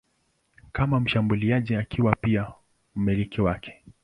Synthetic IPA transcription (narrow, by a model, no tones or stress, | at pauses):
kamam̩ʃambuliaʄiakʰiwapia | m̩mɛlikiwakʰɛ̥